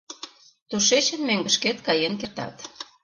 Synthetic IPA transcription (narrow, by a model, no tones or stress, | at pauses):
t̪uʃet͡ɕə̆nmøŋɡə̆ʃket̪kɑjenkert̪ɑ̰t̪